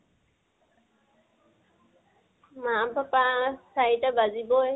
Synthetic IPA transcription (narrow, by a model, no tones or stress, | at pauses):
mabapasajʈabaziboe